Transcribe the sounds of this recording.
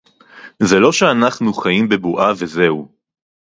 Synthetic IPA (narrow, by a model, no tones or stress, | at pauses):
zelo̞ʃeanaχnuχajimbe̞buʔave̞ze̞u